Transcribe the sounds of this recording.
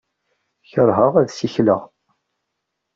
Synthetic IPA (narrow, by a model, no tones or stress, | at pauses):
çəɾˤɦəʁæðsiçlə̰ʁ